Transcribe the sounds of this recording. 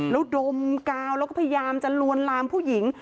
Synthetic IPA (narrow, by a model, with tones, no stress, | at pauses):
lɛː˦˥wdo˧mkaː˧wlɛ˦˥wkɔː˥˩a˧ja˧jaː˧mt͡ɕa˨˩nu˧ənlaː˧mpʰuː˥˩ji˩˦ŋ